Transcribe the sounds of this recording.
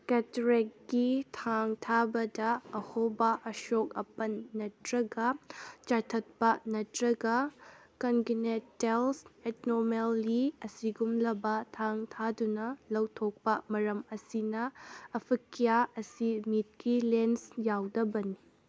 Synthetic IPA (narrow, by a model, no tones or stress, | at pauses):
ketɾekɡitʰaŋtʰabɐdɐːhobɐʔɐʃokɐpɐnːɐtɾɐɡɐt͡ʃaɾtʰɐt̚pɐnɐtɾɐɡɐkɐnɡinettːelsetnoɾmelːiɐsiɡumlɐbɐtʰaŋtʰadunɐlɐwtʰok̚pɐmɐɾɐmɐsinɐɐpʰikʰːijaɐsimit̚kilensjawdɐbɐni